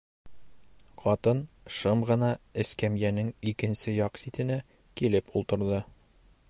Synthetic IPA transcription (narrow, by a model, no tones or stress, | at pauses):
qɒt̪ɤn | ʃɤmʁɤ̆nɑɘ̆skæmjænɘŋikɘ̆nsɘjɒqsit̪ɘ̆næ | kilɘpulˠt̪ɤ̆ɾðɤ